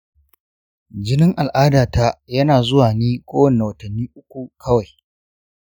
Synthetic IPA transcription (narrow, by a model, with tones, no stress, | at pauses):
d͡ʒɪ˦nɪ˦ŋʔa˨lʔaː˦daː˨ta˦jɐ˦naː˨zʊ˦waː˨niː˦kʷʼoː˦wɐ˨nːa˨wɐ˨tɐ˨nːiː˦ʔʊ˦kʷu˨kʰɐ˦wa˨j